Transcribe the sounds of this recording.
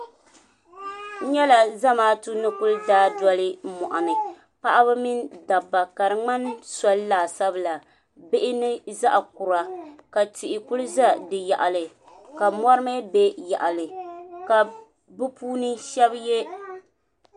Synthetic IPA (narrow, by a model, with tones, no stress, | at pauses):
ɲɛ˦la˨za˦maː˦tu˦nɨ˦kʊ˦ldaː˦dɔ˦lɨ˦mɔ˨ʔa˨nɨ˨ | pa˦ʔa˦βɨ˦mi˦nda˨ba˨ka˨ɾɨ˨ŋ͡ma˦nsɔ˦llaː˨sa˦bɨ˦˨la˨ | bɪ˦ʔɪ˦nɨ˦za˦ʔa˨ku˨ɾa˨ka˨tɪ˨ʔɪ˨kʊ˦lɨ˦za˦dɨ˨ja˨ʔa˨lɨ˨ | ka˨mɔ˦ɾɨ˦mɛ˦be˦ja̰˨ʔa˨lɨ˨ka˨ | bɨ˦puː˦nɨ˦ʃɛ˦bje˦